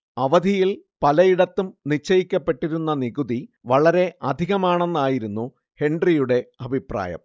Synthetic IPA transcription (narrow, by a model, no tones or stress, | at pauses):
ɐʋɐd̪ʱijilpɐlɐjiɽɐt̪ːumnit͡ɕːɐjikʲːɐpːe̞ʈːiɾunːɐniɣuðiʋɐɭɐɾe̞ʔɐd̪ʱiɣɐmaːɳenːaːjiɾunːu | he̞ɳɖrijuɽe̞ɐbʱipra̰ːjɐ̰m